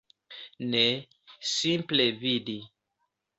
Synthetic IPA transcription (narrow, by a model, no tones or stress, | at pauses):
nɛ | sĩmplɛvidi